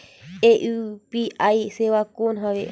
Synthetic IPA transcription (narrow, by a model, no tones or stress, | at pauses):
eʔɨpiʔajsewakõnɦãʋe